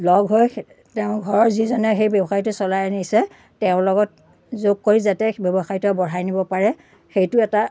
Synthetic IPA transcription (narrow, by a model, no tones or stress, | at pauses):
lɔɡɦɔj | tɛʊ̃ɡʱɔɹɔɹzizɔnɛxejbɛbɔxajtʊsɔlajnisɛ | tɛʊ̃lɔɡɔt̚ | zoɡ̚koɹizatɛbɔbɔxajitɔbɔɹajnibɔpaɹɛ | xejtʊɛta